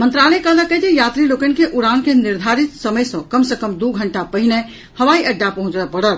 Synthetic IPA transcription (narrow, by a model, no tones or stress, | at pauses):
mə̃nt̪ɾaləkələkəd͡ʒ̪ejaːt̪ɾilokənkeʔuɾankenɪɾd̪ʱaɾit̪səməjsɐ̃kəmsəkəmd̪oɡʱəɳʈapəɦine | həʋaiʔəɖːapəɦʊ̃t͡ʃapəɽət̪